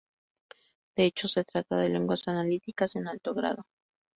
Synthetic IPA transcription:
d̪̥e̞et͡ʃo̞se̞t̪ɾat̪aðe̞le̞ŋɡwasanalit̪ikase̞nalt̪o̞ɣɾa̰ðo̞

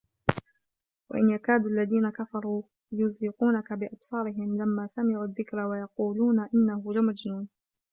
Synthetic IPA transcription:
wa̰ʔɪnjakaːd̪uʔalːaðiːnakafɑɾˤuː | jʊzɾɪquːnakabɪʔɑbsˤɑːɾɪɦɪmlamːaːsamɪʕuːðːɪkɾawajɑquːluːnaʔɪnːahʊlamad͡ʒnuːn

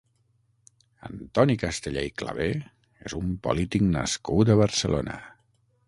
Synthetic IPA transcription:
ənt̪ɔnikəst̪əʎejklə̰β̞e | ḛzumpo̰lit̪iknəskut̪əβəɾsəlo̰nə̰

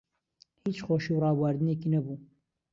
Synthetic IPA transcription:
hiːt͡ʃχoːʃiwrɑːwaɾd̪ɨneːkiːnɐbu

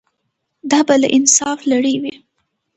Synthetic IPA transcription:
d̪ɑbala̰ʔɪnsɑflaɽəwi

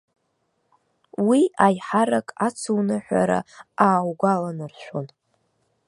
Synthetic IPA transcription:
wiajħaɾakʼat͡sʰuwnɨħʷᶣa̰ɾa̰aːwɡʷalanɨrʃʷᶣon

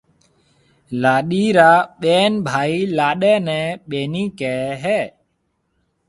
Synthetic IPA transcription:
laːɗiːɾaːɓeːnbʱaːiːlaːɗɛːnɛ̃ːɓeːniːkɛːɦɛː

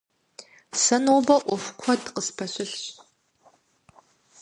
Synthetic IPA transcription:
sɐnoːbɐʔʷɔfʷkʷʰɔdqəspʰɐɕʷɪɬɕ

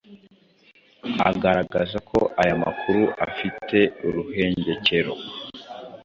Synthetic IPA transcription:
a̰ɡaɾaɡazakʰo̞̰ʔajama̰kʰuɾuʔafitʰe̞uɾuɦe̞ːɲɟe̞ce̞ɾo̞̰

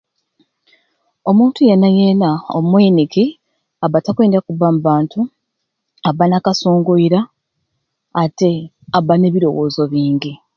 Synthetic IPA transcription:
o̞muːntujenːajenao̰mwiːniki | aβatakweːndiakuβamuβaːntʰu | aβanakasoːŋɡoiɾa | te̞ | aβːane̞βiɾo̞wo̞ːzo̞βiːɲɟi

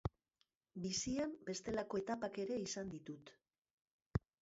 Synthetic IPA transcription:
bisiambe̞st̪e̞lako̞e̞t̪apake̞ɾe̞isand̪it̪ut̪

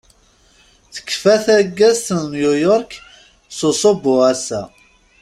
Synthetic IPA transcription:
θə̥kːfæθæɡːæzθnnjujɔɾk | sosˤobʊʁasæ

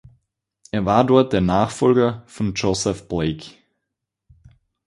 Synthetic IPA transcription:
ʔeːɐvaːɐdɔɐt̚d̥eːɐnaːχfɔlɡɐfɔnd͡ʒosɛfb̥leɪk

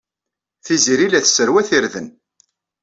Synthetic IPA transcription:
θiziɾilæθsːəɾwæθiɾðən

